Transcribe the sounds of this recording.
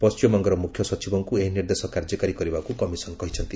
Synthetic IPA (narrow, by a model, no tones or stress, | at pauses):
pɔst͡ʃimɔŋɡɔɾɔmukʰjɔsɔt͡ʃibɔŋkueɦiniɾd̪esɔkaɾd͡ʒɔkaɾikɔɾibakukɔmisɔnkɔɦit͡ʃʰʌnt̪i